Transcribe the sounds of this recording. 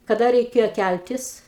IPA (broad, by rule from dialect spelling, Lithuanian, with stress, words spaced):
kɐˈdɐ rʲɛɪˈkʲeːjoː ˈkʲælʲtʲɪs